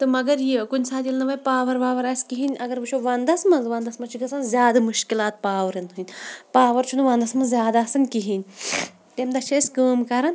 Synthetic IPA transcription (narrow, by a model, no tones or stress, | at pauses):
t̪ɨmɐɡɐɾjikunʲsaːt̪ilnɐʋɐpaːʋɐɾʋaːʋɐɾɐskiɦinʲʔɐɡɐɾʋɨt͡ʃʰoʋɐnd̪ɐsmɐzʋɐnd̪ɐsmɐt͡ʃʰikɐsɐnzʲjaːd̪ɨmuʃkilaːt̪̚paːʋɐɾɐninʲpaːʋɐɾt͡ʃʰunɨʋɐnd̪ɐsmɐzʲjaːd̪asɐnʲkiɦinʲ | t̪emd̪ɐt͡ʃʰɐːsʲkəːmkɐɾɐn